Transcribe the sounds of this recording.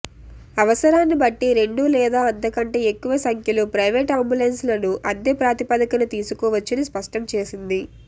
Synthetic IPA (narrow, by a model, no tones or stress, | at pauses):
ɐʋɐsɐɾaːnːibɐʈːiɾe̞ɳɖulɛːd̪aːɐnt̪ɐkɐɳʈeːekːuʋɐsɐŋkjɐluːpɾɐjʋe̞ːʈaːmbulenslɐnuʔɐd̪eːpɾaːt̪ipɐd̪ɐkɐnut̪iːsukɔːʋɐt͡ʃːinispɐʂʈɐmt͡ʃe̞ːsind̪i